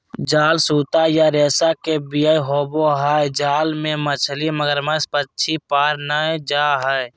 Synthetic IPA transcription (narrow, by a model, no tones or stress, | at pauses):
d͡ʒaːlsuːt̪ajaɾeːsakebijaiɦoːboɦɛd͡ʒaːlmẽmət͡ʃʰliməɡəɾmə̃spətːʃʰipaːɾnaed͡ʒaɦɛɛ